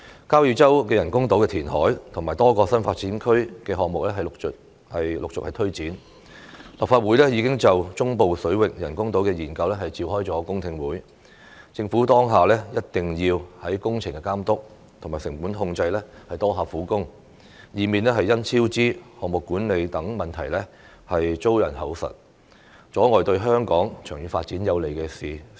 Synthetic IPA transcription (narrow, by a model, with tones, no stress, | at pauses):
kaː˥wji˧wt͡sɐ˥wkɛː˧jɐ˨˩nkʊ˥ŋt̪o˨˥wkɛ˧t̪ʰiː˨˩nhɔ̰ː˨˥jt̪ʰʊ˨˩ŋmaː˨˩jt̪ɔː˥kɔː˧sɐ˥nfaː˧t̚t͡siː˨˥nkʰɵ˥ɥkɛː˧ɦɔː˨k̚mʊ˨k̚lɛː˥ɦɐ˨j̚ | hɐ˨jlʊ˨k̚t͡sʊ̰˨k̚hɐ˨jt̪ʰɵ˥ɥt͡siː˨˥n | lɐ˨p̚faː˧t̚wuː˨˥jlɛː˥jiː˨˧kɪ˥ŋt͡sɐ˨wt͡sʊ˥ŋpo˨˧wsɵ˨˥ɥwɪ˨k̚jɐ˨˩nkʊ˥ŋt̪o˨˥wkɛː˧jiː˨˩nkɐ˧wlɛː˥ɦɐ˨jt͡siː˧wɦɔː˥jt͡sɔː˨˥kʊ˥ŋt̪ʰɪ˧ŋwuː˨˥j | t͡sɪ˧ŋfuː˨˥t̪ɔː˥ŋɦaː˨˩lɛː˥jɐ˥t̚t̪ɪ˨ŋjiː˧whɐ˨˥jkʊ˥ŋt͡sʰɪ˨˩ŋkɛ˧kaː˥mt̪ʊ˥k̚ | t̪ʰʊ˨˩ŋmaː˨˩jsɪ˨˩ŋpuː˨˥nɦʊ˧ŋt͡sɐ˧jlɛː˥hɐ˨jt̪ɔː˥ɦaː˨˧fuː˨˥kʊ˥ŋ | jiː˨miː˨˩nlɛː˥hɐ˨jːɐ˥nt͡sʰiː˥wt͡siː˥hɔː˨ŋ̚mʊ˨kːuː˨˥nle˨˧jt̪ɐ˨˥ŋmɐ˨˩nt̪ʰɐ˨˩jlɛ˥ | hɐ˨jt͡so˥wjɐ˨˩nɦɐ˨˥wsɐ̰˨˩t̚ | t͡sɔː˨˥ŋɔː˨jt̪ɵ˧ɥɦœː˥ŋkɔː˨˥ŋt͡ʃʰœː˨˩ŋjy˨faː˧t̚t͡siː˨˥njɐ˨˧wle˨˩jkɛː˧siː˨